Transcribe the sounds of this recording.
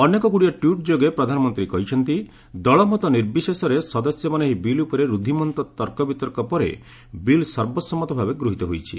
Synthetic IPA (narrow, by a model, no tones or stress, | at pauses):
ɔnekɔkuɽijɔʈjuʈ̚d͡ʒoɡepɾɔd̪ʱanɔmɔnt̪ɾikɔɦit͡ʃʰɔnt̪i | d̪ɔɭɔmɔt̪ɔniɾbisesɔɾesɔd̪ɔsjɔmaneɦibilupɔɾeɾud̪ʱimɔnt̪ɔt̪ɔɾkɔbit̪ɔɾkɔpɔɾḛ | bilsɔɾbɔsɔmɔt̪ɔbʱabeɡɾuɦit̪ɔɦojt͡ʃʰi